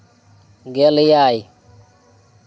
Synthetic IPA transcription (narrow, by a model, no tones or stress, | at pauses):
ɡelijaːji